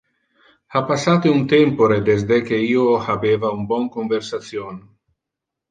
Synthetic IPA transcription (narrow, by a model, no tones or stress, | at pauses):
apasat̪eunt̪ɛmpoɾed̪ezd̪ek̟eiohabevaumbɔŋkoɱveɾsat̪sjon